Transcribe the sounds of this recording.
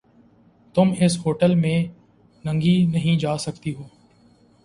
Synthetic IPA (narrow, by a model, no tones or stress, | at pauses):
t̪ʊmɪsɦoːʈəlmẽː | nə̃ŋɡinəɦĩd͡ʒaːsəkt̪iɦoː